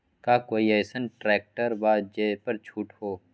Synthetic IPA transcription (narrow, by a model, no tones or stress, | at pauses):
kaːkoːiɛːsənʈɾɛːk̚ʈəɾbaːd̪̚d͡ʒeːpɐɾt͡ʃʰuːʈhoː